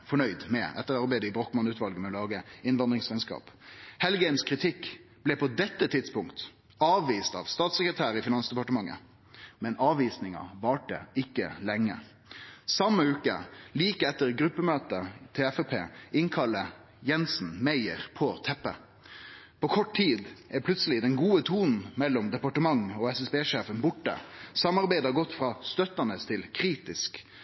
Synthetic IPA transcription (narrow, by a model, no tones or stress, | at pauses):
fɔɳœʏd̪mɛʔɛ̰t̪ːəʁɑɾbæɪd̪əɪbɾɔk̪mɑnʉːt̪ʋɑlɡəmɛɔlɑːɡəɪnʋɑnd̪ʁɪŋsɛɪnskɑ̰ːphɛlɡɛɪmskʰʁɪt̪ʰɪkːb̥lɛpʰɔd̪ɛt̪ːət̪ʰɪd̪spʊŋkt̪ | ɑːʋʋiːst̪ɑ̰ːʋst̪ɑːt̪səkɾət̪ʰæːɾəɪfɪnɑnsd̪ɛpɑʈəmɑŋːə̰ | mɛnɑːʋiːsnɪŋɑ̰ʋɑːʈə̰ɪkːə̰lɛŋːə̰ | sɑməʉːkə̰liːkəɛt̪ːəʁɡɾʉpːəmøːt̪ət̪ʰɛɛfɛpʰḛːɪŋkʰɑlːə | jɛnsn̩mæɪəʁpʰɔːt̪ʰɛpːə | pʰoːkʰɔʈt̪ʰiːd̪ʔæpʰlʉt̪səlɪd̪ɛnɡuːət̪ʰuːnn̩mɛlːɔmd̪ɛpɑʈəmɑŋoːɛsɛsbeːʂeːfənbʊʈːə̰sɑmɑʁbæɪd̪ɑɡɔt̪ːfʁɑːst̪œt̪ːənəst̪ʰɪlkʰɾiːt̪ɪsk